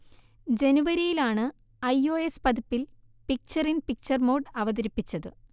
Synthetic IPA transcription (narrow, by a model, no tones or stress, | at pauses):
d͡ʑe̞nuʋɐɾijilaːɳɨ | ɐjo̞ːespɐd̪ipːil | pik̚t͡ɕɐrinpik̚t͡ɕɐrmo̞ːɖɐʋɐðɐɾipːit͡ɕːɐðɨ̰